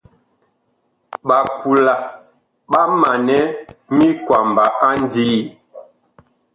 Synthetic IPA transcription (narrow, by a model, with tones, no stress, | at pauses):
ɓa˨pu˨la˨ | ɓa˦ma˨nɛ˦mi˦kwa˨mba˨ʔa˦n˦diː˦